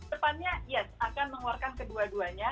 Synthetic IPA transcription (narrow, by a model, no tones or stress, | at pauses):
əpanɲajɛsakanməŋuarkankəduaduaɲa